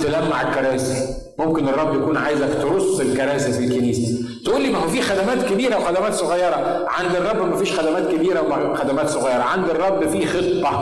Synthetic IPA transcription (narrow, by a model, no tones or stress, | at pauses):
t̪elæmːaʕelkɑɾˤæːsi | momkenerˤːɑbːjækuːnʕaːjzæfit̪oɾosːelkɑɾˤæːsifilkːeniːsæ | t̪ʔuːlːiːmæhfiːxæd̪æmæːt̪kebiːɾæwexæd̪æmæːt̪sˤoɣɑjːɑɾˤɑ | ʕand̪erˤːɑbːmæfiːʃxæd̪æmæːt̪kebiːɾæwmæ | xæd̪æmæːt̪sˤoɣɑjːɑɾˤɑʕand̪erˤːɑbːfiːxet̪ˤːɑ